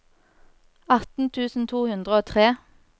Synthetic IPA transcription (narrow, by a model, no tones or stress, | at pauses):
ɑt̪n̩t̪ʰʉːsn̩t̪ʰuːhʉnd̪ʁəoːt̪ʰʁeː